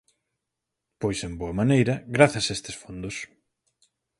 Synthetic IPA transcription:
pojsemboɐmanejɾɐɣɾaθɐsaest̪ɪsfond̪os

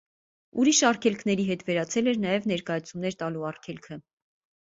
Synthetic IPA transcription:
uɾiʃɑrkʰɛlkʰn̪ɛɾiɦɛt̪vɛɾɑt͡sʰɛlɛɾnɑjɛvnɛɾkɑjɑt͡sʰumnɛɾt̪ɑluɑrkʰɛlkʰə

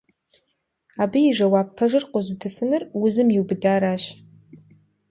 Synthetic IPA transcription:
abiiʐɐwaːpʰːɐʐɨrqʷʼozɨtʰɨfɨnɨrwʊzɨmjiwbɨdaːɾaːʃ

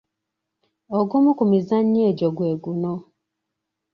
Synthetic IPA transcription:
oɡumukumizaɲːeːɟoɡweːɡuno

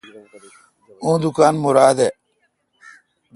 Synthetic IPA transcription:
ũːd̪ukaːnmuɾaːd̪e

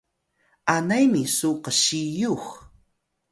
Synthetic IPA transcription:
anajmɪsoqɑʃɪjoχ

